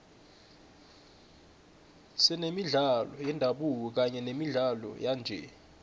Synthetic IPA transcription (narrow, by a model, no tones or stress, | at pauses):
sɛnemiɮalɔjɛndʱaɓuk̬ɔk̬aɲɛnemiɮalɔ̰jand͡ʒʱɛ̰